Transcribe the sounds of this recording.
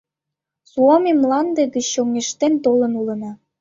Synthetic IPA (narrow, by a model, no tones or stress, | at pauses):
suomemlɑnd̪eɣət͡ɕːoŋeʃt̪ent̪olə̆nulə̆nɑ